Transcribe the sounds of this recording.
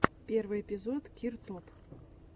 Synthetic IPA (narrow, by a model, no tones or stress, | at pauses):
pʲervɨjepʲizot̪kʲirt̪op